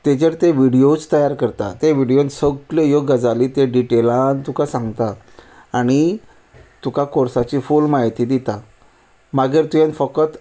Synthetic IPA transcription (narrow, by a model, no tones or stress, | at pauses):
t̪ed͡ʑəɾt̪eʋiɽijot͡st̪əjaɾkəɾt̪at̪eʋiɽijonsəɡləjoɡəd͡zaliːt̪eɖiʈelãnt̪ukasãŋɡt̪aː | ɽ̃i | t̪ukakoɾsat͡ɕiːfuːlmaɦit̪iːd̪it̪a | maɡəɾt̪ujanfəkət̪